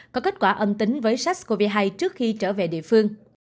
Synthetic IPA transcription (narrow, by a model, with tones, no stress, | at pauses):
kɔ˨˦ke˦˥t̚kwaː˧˩ʔə˧mt̪ï˨˦ŋ̟vəː˨˦jsa˦˥k̚ku˧˩vi˧˨˩ɦa˧jt͡ɕɨ˦˥ək̚xi˧t͡ɕəː˧˩ve˨˩ɗḭ˧˨əfɨ˧əŋ